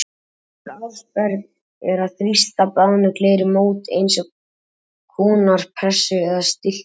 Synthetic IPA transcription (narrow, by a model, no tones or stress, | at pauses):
ɾawspɛɾk | ɛɾaθɾist̪apawnʏkleːjɾɪmoːwt̪ḛjnsɔ | kʰɔːnaɾ̥pʰɛsʏɛðast̪ɪl̥t̪